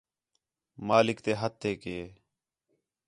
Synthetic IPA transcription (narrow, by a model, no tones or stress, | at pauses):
maːlɪkt̪eːɦət̪ʰːeːkɪeː